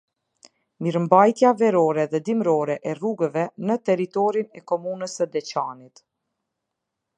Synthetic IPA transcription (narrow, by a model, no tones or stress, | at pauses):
miɾmbajt̪javɛɾɔɾɛðɛd̪imɾɔɾɛʔɛruɡəvɛnət̪ɛɾit̪ɔɾinɛkɔmunəsəd̪ɛt͡ɕanit̪